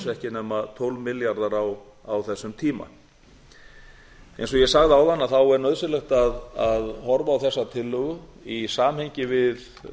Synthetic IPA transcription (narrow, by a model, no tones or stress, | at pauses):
sɛhcɪnɛːmat̪ʰɔwlvmɪljaɾðaɾaw | awθɛsːʏmt̪ʰiːma̰ | ḛjns̬ɔɣjɛsaɣðawðanːaθawɛɾnœðsɪlɛxt̪aðaðhɔɾvaːwθɛsːat̪ʰɪlːʏɣʏisaːmhejɲcɪvɪð